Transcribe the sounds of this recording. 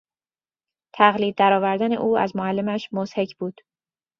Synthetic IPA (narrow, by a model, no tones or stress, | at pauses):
t̪ʰæɣliːd̪ːæɾɒːvæɾd̪æne̞̰ʔuːæ̰zmoælːe̞mæʃmozhe̞cʰb̥uːd̪̥